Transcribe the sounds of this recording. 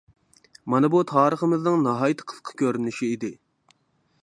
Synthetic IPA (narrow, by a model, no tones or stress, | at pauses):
mɑnɨbut̪ʰɑːɾəχəmɨznɨŋnɑɦɑːjɨt̪ʰə̥qʰə̥sqʰɑ̥kʲʰøɾynɪʃiːd̪ɪ